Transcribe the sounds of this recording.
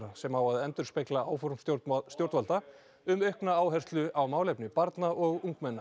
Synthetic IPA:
ɾasɛmhawaðɛnt̪ʏ̥speklaaːwfɔɾmst̪jowɾt̪valt̪a | ʏmœhknaaːwɦɛr̥st̪lʏʔawmaːwlejpnɪpaɾt̪naɔɣuŋkmɛnːa

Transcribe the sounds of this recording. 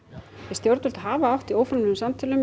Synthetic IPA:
jɛst̪jowɾt̪ʏl̥t̪ɦaːvaawht̪ioːwfɾamʏmsamt̪ʰɪːlʏm

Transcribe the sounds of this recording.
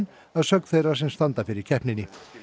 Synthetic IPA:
n | aðsœkθejrasɛmst̪ant̪afɪɾɪɾ̥cʰɛhpnɪnːɪ

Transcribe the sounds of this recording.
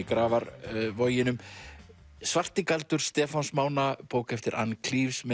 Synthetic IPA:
kɾaːvaɾvɔːjɪnʏm | svar̥t̪ɪkalt̪ʏɾ̥st̪ɛːfansmaːwnapoːwkɛft̪ɪɾʔa̰nkʰliːfsmɛ

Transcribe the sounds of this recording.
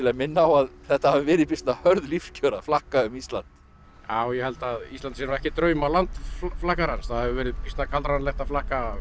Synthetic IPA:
ɪlamɪnːaawaðθɛht̪ahavɪvɛːɾɪðpist̪nahœɾðlifcʰœːɾaflahkaʏmist̪la̰nt̪ | jaːwjɛhɛlt̪aðist̪lant̪siɛnvɛhcɪt̪ɾœːɥmawlant̪flahkaɾansθaðhɛvɪvɛːɾɪðpist̪nakʰalt̪ɾanlɛht̪aflahka

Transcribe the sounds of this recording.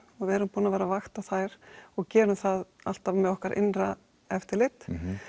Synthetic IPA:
ɔɣvɪɛɾʏmpuːnavɛːɾavaxt̪aθajɾ̥ɔɣcɛːɾʏmθaða̰l̥t̪avmɛðɔhkaɾʔɪ̰nra | ɛft̪ɪɾlɪt̪

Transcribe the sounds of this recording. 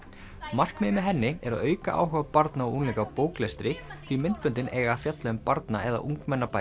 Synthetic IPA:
mar̥kmɪmɪɦɛnːɪɛɾaðœːɥkaʔa̰ːwɦʏvapaɾt̪naɔunlɛːkapoːwklɛst̪ɾɪθʰimɪnt̪̚pʏnt̪ɪnʔḛːjɣaːfjat̪lœʏmpaɾt̪na̰ɛða̰ʔuŋkmɛnːapa

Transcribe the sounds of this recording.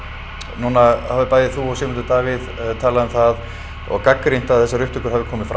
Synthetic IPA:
nuːnahavɪpaːjðɪθuɔsɛmɛnt̪ʏt̪aːvɪðt̪ʰaːlaðʏmθað | ɔ̰ɣkakːɾin̥t̪aðθɛsːaɾʏht̪ʏkʏɾ̥ɦavɪkʰɔːmɪfɾ

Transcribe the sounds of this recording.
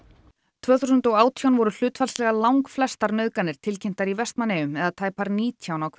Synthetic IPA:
t̪ʰv̥œːθusʏnt̪ɔɣaːwt̪ʰijawnvɔɾʏl̥ʏːt̪falslɛɣalawŋkflɛst̪aɾnœːðkanɪɾ̥t̪ʰɪlcʰem̥t̪aɾivɛst̪naneːʏmɛðat̪ʰaːjpaɾniːt̪ʰjawnawkʰv

